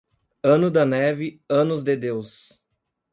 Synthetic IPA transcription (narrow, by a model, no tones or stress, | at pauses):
ɐ̃nʊd̪ɐnɛvɪɐ̃nʊzd̪ed̪ews